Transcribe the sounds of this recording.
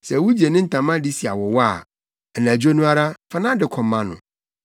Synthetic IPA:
sɛ˨wu˦d͡ʑi˨e˨nɪ̃˦n̩˨tʰã˨mã˦di˦si˨a˨wɔ˨wɔ˦a˨ | ɛ˨nã˨d͡ʑᶣo˦nũ˦a˦ɾa˦fa˦nã˦dɪ˨kʰɔ̃˨mːã˦nʊ̰̃˨

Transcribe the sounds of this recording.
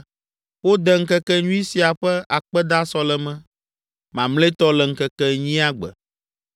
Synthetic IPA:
wo˦d̪ɛ˦ŋ̩˦kɛ˦kɛ˦ɲũ˦i˦si˨a˨ɸɛ˦ʔa˨k͡pɛ˦d̪a˦sɔ˦lɛ˨mɛ̃˦ | mã˨mle˦t̪ɔ˦lɛ˨ŋ̩˦kɛ˦kɛ˦ɲĩ˦a˦ɡ͡bɛ̰˨

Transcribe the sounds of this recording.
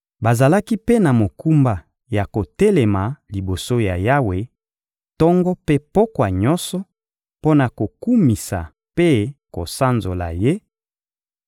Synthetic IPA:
ba˨za˨la˦ki˦pe˦na˨mo˨ku˦mba˨ | ja˨ko˨tɛ˦lɛ˨ma˨li˨bo˨so˦ja˨ja˦we˨ | tɔ˦ŋɡɔ˦pe˦pɔ˦kwa˨ɲɔ˦nsɔ˦ | po˦na˨ko˨ku˦mi˨sa̰˨ | pe˦ko̰˨sa˦nzo˨la̰˨je˦

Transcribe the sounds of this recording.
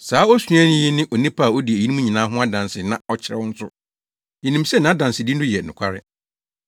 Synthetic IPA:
saː˨˦ɔ˦su˨˦a˦nɪ̃˦jɪ˦nɪ̃˦ʔɔ˨nĩ˦pʰa˦a˨ɔ˦di˨e˨i˦nĩ˦mũ˦ɲĩ˨nã˨˦ɦʊ̃˦a˦dã˨nsɪ˨nã˦ɔ˦t͡ɕʰɪ˦ɾɛ̰˦wɔ̃˦n̩˦sʊ˦ | i˨nĩ˨msɛ˦nã˨˦dã˨nsɪ˨di˦n̩˦dʊ̃˦jɛ˨nʊ̃˨kʷʰa˦ɾɪ˦

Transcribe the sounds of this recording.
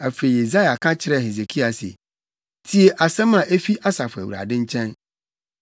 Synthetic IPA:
æ˨fe˨i˨e˨za˦ja˨kʰã˦t͡ɕʰɪ˦ɾɛ˦˨he˨ze˨kʰi˦a˨sḛ˨ | tʰi˨e˨ʔa˨sɛ̃˦mã˨ʔe˦fi˦ʔa˦sa˨fʊ˨æ̰˨wu˨ɾa̰˨dɪ̃˦ɲ̩˦t͡ɕʰɛ̃˦n

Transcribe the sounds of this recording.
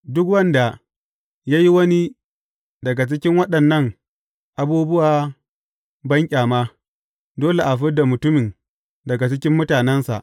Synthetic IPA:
dʊ˦kwɐ˦nda˨ | jaː˦ji˦wɐ˦ni˦ | dɐ˨ɡa˨t͡ʃɪ˦kʲɪ˦ŋwɐ˦ɗɐ˨nːɐ˦˨ŋ | ʔa˨buː˦bʊ˦waː˨ | bɐ˦ŋkʲʼaː˨maː˦ | doː˦le˨ʔa˨ɸɪ˦da˨mʊ˨tʊ˦mɪ˨n | dɐ˨ɡa˨t͡ʃɪ˦kʲɪ˦mːʊ˦taː˨nɛ˦nsa̰˨ʔ

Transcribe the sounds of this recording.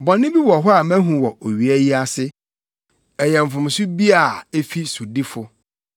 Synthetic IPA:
bɔ̃˨nɪ̃˦bi˦wɔ˨ɦɔ˦a˨mæ̃˦ɦũ˨wɔ˨o˨ɥi˨æ˦ji˦a˦sɪ˦ | ɛ˨jɛ̃˨m̩˨fʊ̃˨m˨sʊ˦bi˦a˨e˦fi˦su˨di˦fʊ˨

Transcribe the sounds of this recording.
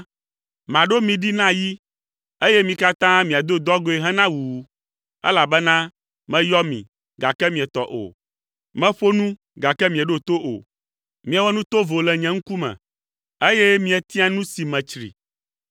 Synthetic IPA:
mã˨ɖo˦mĩ˨ɖi˦nã˦ji˦ | e˦jɛ˦mĩ˨ka˦t̪ã˦mĩ˨a˨d̪o˦d̪ɔ˦ɡo˦e˨ɦɛ̃˦nã˦wuː˨˦ | ɛ̰˦la˨bɛ˦nã˦ | mɛ̃˦jɔ˦mḭ̃˨ | ɡa˨kɛ˦mĩ˨ɛ˨t̪ɔ˨ʔo̰˨ | mɛ̃˦ɸo˦nũ˦ | ɡa˨kɛ˦mĩ˨ɛ˨ɖo˦t̪o˦ʔo̰˨ | mĩ˨ɛ˨wɔ˦nũ˦t̪o˦vo˨lɛ˨ɲɛ̃˦ŋ̩˦ku˦mɛ̰̃˨ | e˦jɛ˦mĩ˨ɛ˨t̪i˦a˦nũ˦si˨mɛ̃˨t͡ʃɾḭ˨

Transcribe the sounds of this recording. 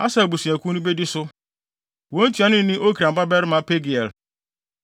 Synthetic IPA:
a˦sa˨bu˨si˨a˨kʷu˦nĩ˦be˦dɪ˦sʊ˦ | wo˦n̩˦tu˨a˨˦nɪ̃˦nĩ˦ʔo˦kɾa˨m̩˨˦ba˦bɛ˦ɾɪ˦mã˨˦pe˦ɡi˨ɛ˨l

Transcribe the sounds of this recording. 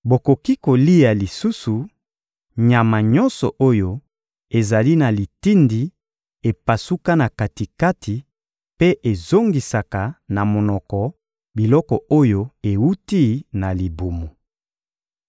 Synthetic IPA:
bo˨ko˨ki˦ko˨li˦ja˨li˨su˦su˨ | ɲa˨ma˨ɲɔ̃˦nsɔ˨ʔo˦jo˦ | e˨za˨li˦na˨li˨ti˦ndi˨ | e˨pa˨su˦ka˦na˨ka˨ti˨ka˦tʰi˨ | pe˦ʔe˨zo˦ŋɡi˨sa˨ka˨na˨mo˨nɔ˨kɔ˨ | bi˨lɔ˦kɔ˨o˦jo˦e˨wu˦ti˦na˨li˨bo˨mo˨

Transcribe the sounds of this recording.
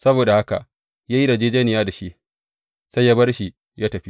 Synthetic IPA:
sɐ˦boː˨da˨ha˦ka̰˨ʔ | ja˦ji˦da˨d͡ʒeː˦d͡ʒeː˦nɪ˨jaː˦da˨ʃi˦ʔ | sa˦ja˦bɐ˦rʃi˨ | jaː˦tɐ˨ɸi˦

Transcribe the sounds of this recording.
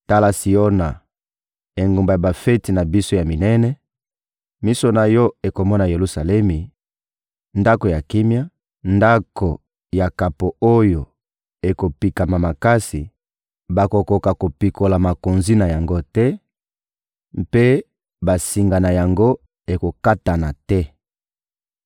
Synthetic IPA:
ta˦la˦si˨o˦na˨ | e˨ŋɡo˨mba˨ja˨ba˨fe˦ti˨na˨bi˦so˦ja˨mi˨nɛ˦nɛ˦ | mi˦so˦na˨jɔ˦e˨ko˨mɔ˦na˨je˨lu˨sa˨lɛ˦mi˨ | nda˦ko˨ja˨ki˦mja˦ | nda˦ko˨ | ja˨ka˨po˨o˦jo˨ | e˨ko˨pi˨ka˨ma˨ma˨ka˦si˨ | ba˨ko˨ko˨ka˨ko˨pi˨ko˨la˨ma˨ko˨nzi˦na˨ja˨ŋɡo˦tɛ˦ | pe˦ | ba˨si˨ŋɡa˨na˨ja˨ŋɡo˦ | e˨ko˨ka˦ta˨na˨tɛ˦

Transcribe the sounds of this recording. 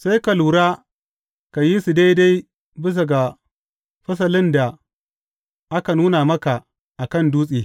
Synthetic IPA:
sa˦jka˨luː˨ɾaː˦ | ka˨ji˦si˨da˦jda˦j | bɪ˦s̬ɐ˨ɡa˨ | ɸɐ˦s̬ɐ˨lɪ˦nda˨ | ʔa˦ka˨nuː˦na˨mɐ˦ka˨ | ʔa˨kɐ˦˨nduː˦sʼiː˨

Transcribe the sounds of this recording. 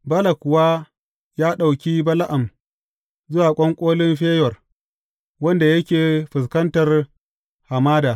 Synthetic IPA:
bɐ˦la˨kʷʊ˨wa˦ | jaː˦ɗa˨wkʲi˦bɐ˦la˦ʔa˨m | zʊ˦waː˨kʷʼɔ˦ŋkʷʼoː˦lɪ˦mɸeː˦jɔ˨r | wɐ˦nda˨jɐ˦kʲeː˨ɸɪ˨s̬kɐ˦ntɐ˨r | ha˨maː˦daː˨

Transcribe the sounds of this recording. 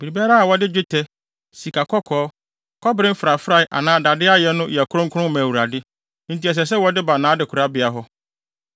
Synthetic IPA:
b̥i˨ɾi˨bi˦a˦ɾa˦a˨wɔ˦dɪ˦d͡ʑᶣɪ˦tʰɛ˦ | si˨kʰa˨kʰɔ˦kʰɔː˦ | kʰɔ˦bɪ˦ɾɪ˦m̩˦fɾa˨fɾa˨ɪ˨ʔa̰˨nãː˦da˨dɪ˦a˦jɛ˦nʊ̃˦jkʰʊ˦ɾʊ̃˦ŋ˦kʰʊ˦ɾʊ̃˦mæ̃˨wu˨ɾa˨dɪ˦ | n̩˨ti˦ɛ˨s̬ɛ˨s̬ɛ˦wɔ˨dɪ˦ba˨nãː˨˦dɪ˨kʰu˨ɾa˦bɪ˨a˨ɦɔ˦

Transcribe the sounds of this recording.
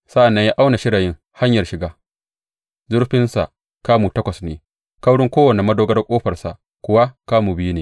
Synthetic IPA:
sa˦ʔa˨nːɐ˦ɲjaː˦ʔa˦wna˨ʃɪ˦ɽaː˨jɪ˦ŋ | ha˦ɲjɐ˨rʃɪ˨ɡaː˦ | zʊ˦ɾɸɪ˦nsa̰˨ʔ | kaː˦muː˨tɐ˦kʷɐ˨sneː˨ | ka˦wɽʊ˦ŋkʷoː˦wɐ˨ne˨mɐ˦doː˦ɡɐ˦rkʷʼoː˦ɸɐ˨rsa̰˨ʔ | kʷʊ˦wa˦kaː˦muː˨bɪ˦i˦neː˨

